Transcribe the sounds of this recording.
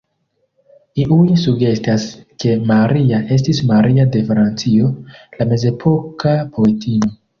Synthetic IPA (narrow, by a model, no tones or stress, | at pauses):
iʔujsuɡe̞staske̞maɾiaʔe̞s̬tismaɾiade̞fɾant͡sio̞lame̞ze̞pʰo̞kapʰo̞e̞tʰino̞